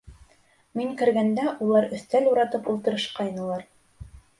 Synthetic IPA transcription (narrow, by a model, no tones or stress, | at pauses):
miŋkɘ̆ɾɡænd̪æʔulˠɑɾɵ̆θt̪æluɾɑt̪ɤpulˠt̪ɤ̆ɾɤ̆ʃqɑjnɤ̆lˠɑɾ